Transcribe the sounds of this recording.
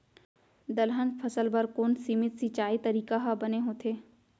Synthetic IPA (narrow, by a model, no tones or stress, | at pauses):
d̪ɐlɦə̃npʰɐsəlbɐɾkoːnsimɪt̪sit͡ʃaːit̪ɐɾiːkaɦabɐneɦoːt̪ʰeː